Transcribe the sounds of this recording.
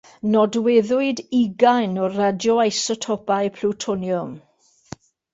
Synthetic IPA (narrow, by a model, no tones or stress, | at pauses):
nɔdwɛðʊɨdiɡajnɔradjɔajsɔtʰɔpaɨpʰluwtʰɔnjʊm